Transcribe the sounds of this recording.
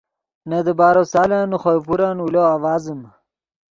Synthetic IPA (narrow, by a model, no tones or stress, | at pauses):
nɐd̪əbaːɾosaːlaːnuχojpuɾaːnuloːawaːzəm